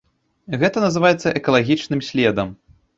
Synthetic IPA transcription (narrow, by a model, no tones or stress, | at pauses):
ɣɛt̪ɐnɐzɨvajɛt̪sːɐʔɛkɐlˠaɣʲit͡ʂnɨmsʲlʲɛd̪ɐm